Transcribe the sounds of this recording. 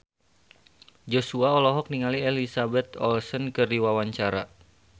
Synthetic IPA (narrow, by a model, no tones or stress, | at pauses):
d͡ʒosuaɔlɔɦɔk̚niŋalielisabɛt̪ɔlsənkɨriwawaɲt͡ʃaɾa̰